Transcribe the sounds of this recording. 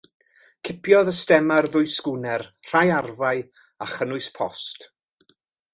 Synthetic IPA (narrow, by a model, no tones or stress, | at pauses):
kʰɪpʰjɔðəstɛmarðʊɨskʊnɛrr̥ajarvaj | aχənʊɨspʰɔ̰st